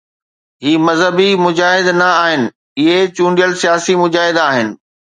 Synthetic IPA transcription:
ɦiːmɐzɦəbimʊd͡ʑaːɦɪd̪nɐaːɦɪnɪ̆ | ɪɦet͡ɕũːɳɖijəlsijaːsimʊd͡ʑaːɦɪd̪aːɦɪnɪ̆

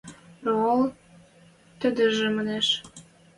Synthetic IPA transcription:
ol | t̪ə̆d̪ə̆ʒĕməneʃ

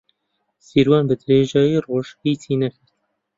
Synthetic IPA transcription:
siːɾwɑːnbɨd̪ɨɾeːʒɑːjiːroːʒhiːt̪ʰiːnɛkʰɨɾ

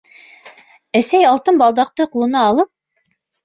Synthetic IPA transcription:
æsæjɑlˠt̪ɤnbɑlˠd̪ɑq̚t̪ɤqulˠɤ̆nɑːlˠɤp̚

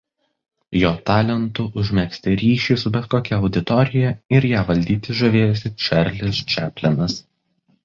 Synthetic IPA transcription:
joːt̪ɑːlʲɛnt̪ʊʔʊʒʲmʲɛksʲt̪ʲɪɾʲiːʃʲiːsʊbʲɛt̪koːkʲɛɒʊd̪ʲɪt̪ɔɾʲɪjɛɪɾjæːʋɐlʲd̪ʲiːt̪ʲɪʒɐʋʲeːjosʲɪt͡ʃʲɛɾʲlʲɪst͡ʃʲæːpʲlʲɛnɐs

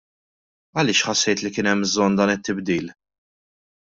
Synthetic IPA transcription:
ɐlɪːʃħɐsːɛjt̪likɪːnɛmbzɔnd̪ɐːnɪt̪ːɪbd̪iːl

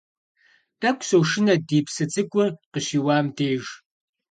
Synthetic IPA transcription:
d̥ɐkʷʼsowʂɪnɐdiːpʰsɨt͡sʼɨkʷʼʊrqəɕiːwaːmdeːʒ

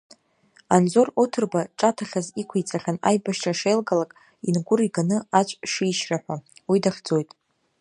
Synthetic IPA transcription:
and͡zo̞rotʰɨrbaʈ͡ʂʼatʰaχʲazikʷʰijt͡sʼaχʲana̰jbaʃʈ͡ʂʰʼaʂejlɡalakʼ | inɡʷʊriɡanɨat͡ʃʷʼʂiːʃraħʷawidaχʲd͡zo̞jtʼ

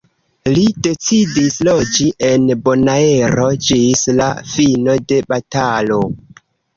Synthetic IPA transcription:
lide̞t͡sidislo̞d͡ʒiʔe̞nbo̞nae̞ɾo̞d͡ʒisla̰fino̞de̞batalo̞

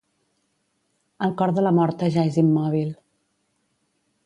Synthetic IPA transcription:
əlˠkɔɾðələmɔɾt̪əʒaezimːɔβil

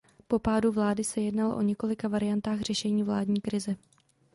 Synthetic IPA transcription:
po̞paːduvlaːdɪsɛjɛdnaloʔo̞̰ɲɛko̞lɪkavaɾɪjant̪aːxr̝̥ɛʃɛɲiːvlaːdɲiːkɾɪzɛ

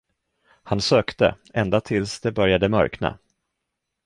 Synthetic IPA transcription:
hansøːkt̪ə̰ʔɛnd̪at̪ʰɪlsd̪ɛbœɾjad̪əmœ̰ɾkna̰

